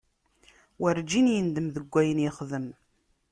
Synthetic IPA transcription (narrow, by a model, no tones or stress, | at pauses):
wəɾd͡ʒinjənd̪əmðəɡʷːæjənjɪχðəm